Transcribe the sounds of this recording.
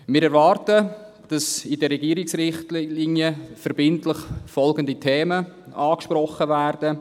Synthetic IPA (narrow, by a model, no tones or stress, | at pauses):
mɪːɾɛɾvɑːrtə | d̥ɑsidəɾɛɡiːɾɪksɾɪχtlliːnjəfɛɾb̥ɪntləχfɔlɡənditʰeːmə | ɑːkʃpɾɔχːəvæːrd̥ə